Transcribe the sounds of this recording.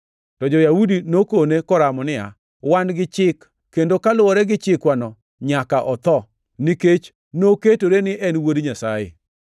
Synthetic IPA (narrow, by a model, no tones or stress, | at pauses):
tɔd͡ʒɔjawudinokonekɔɾamɔnɪja̰ | wanɡɪt͡ʃɪkː | endokalʊwɔɾɛɡɪt͡ʃɪkwanɔ | ɲakaʔɔt̪ɔ | niket͡ʃ | noketoɾenɪʔɛnwodiɲasajḛ